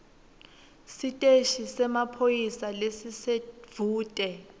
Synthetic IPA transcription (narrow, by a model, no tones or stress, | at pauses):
sitʼeʃisɛmapʰojisalesisev̥uːtʼɛ